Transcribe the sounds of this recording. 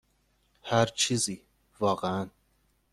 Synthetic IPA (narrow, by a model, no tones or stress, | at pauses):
hæɾt͡ʃʰizi | vɑɣæn